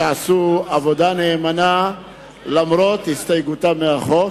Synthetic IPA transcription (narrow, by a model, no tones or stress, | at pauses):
asuavod̪aneːmana | lamɾot̪hist̪ajɡut̪ameaχo